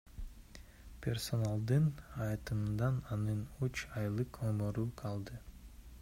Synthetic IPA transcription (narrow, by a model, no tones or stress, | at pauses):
pʲʰe̞rso̞nalˠd̪ɯnɑjt̪ɯmɯnd̪ɑnɑnɯnut͡ʃɑjlˠɯqʰomoɾuqʰɑlˠd̪ɯ